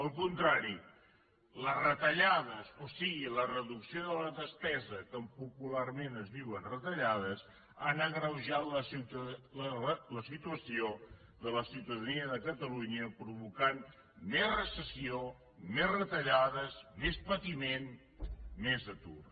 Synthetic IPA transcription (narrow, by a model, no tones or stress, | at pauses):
əlˠkunt̪ɾaɾi | ləzrət̪əʎaðəzosiɣilərəðuksioðələðəspɛzəkəmpupularmenəzðiwənrət̪əʎaðəs | a̰nəɣɾəwʒaləsilələsit̪uəsio | ðələsiwt̪əðəniəðəkət̪əluɲəpɾuβukan | mezrəsəsio | mezrət̪əʎaðəzmespət̪imen | mezət̪ṵr